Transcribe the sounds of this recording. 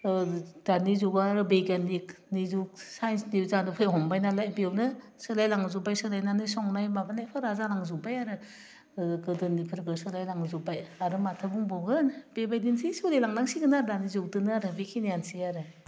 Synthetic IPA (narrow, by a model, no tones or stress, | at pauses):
d̥anizuɡaaɾɯbekanik̚nizuk̚sajnsnizandupʰɯjɦɔŋbajnalajbewnɯ | sɯlajlaŋzubajsɯlajnanɯsɔŋnajmabanajpʰɯɾazalaŋzubajaɾɯ | ɡɯdɯnipʰɯɾɡɯsɯlajlaŋzubajaɾɯmatʰɯbuŋbɔɡɯnbebajdinsisolelaŋlaŋsiɡɯnaɾdanizuk̚dɯnɯaɾɯbekʰinijansiaɾɯ